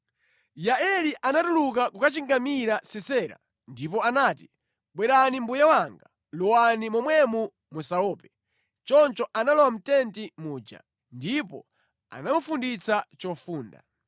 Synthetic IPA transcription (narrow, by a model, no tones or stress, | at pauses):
jaɛliʔanatulukakukat͡ʃiŋɡamiɾasɛsɛːɾa̰ | ndip̬ɔanaːti | ɓwɛɾanimbujawaŋɡa | lɔwanimɔmwɛmu | musaɔːpɛ | t͡ʃɔnt͡ʃɔʔanalɔwam̩tɛntimuːd͡ʒa̰ | ndipɔ̰ | a̰namufundit͡sat͡ʃɔfuːnda̰